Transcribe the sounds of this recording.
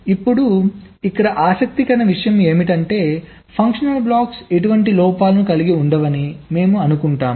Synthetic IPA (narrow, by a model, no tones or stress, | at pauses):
ipːuɽu | ikːɐɽɐʔaːsɐk̚t̪ikɐnɐʋiʂɐjɐme̞ːmiʈɐɳʈe̞ː | pʰɐŋkʂɐnɐlblaːkse̞ʈuʋɐɳʈilɔːpaːlɐnukɐliɡiuɳɖɐʋɐnime̞ːmuɐnukuɳʈaːm